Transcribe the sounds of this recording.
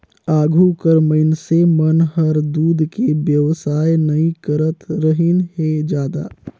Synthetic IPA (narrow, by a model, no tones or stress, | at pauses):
aːɡʱukəɾməɪnsemənɦəɾd̪uːd̪ʱkebjəʋsaːenəĩkəɾət̪ɾəɦinɦed͡ʒjaːd̪a̰